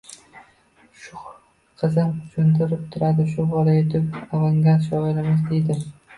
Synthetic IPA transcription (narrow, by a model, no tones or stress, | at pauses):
ʃʊ | qʰɨzɪmt͡ʃʰʊnt̪ʰɪɾɪp̚t̪ʰʊɾad̪ɪʃʊbɒlajet̪ʰɪpavaŋɡat̪ʃɒɪɾɪmɪzd̪e̞jd̪ɪ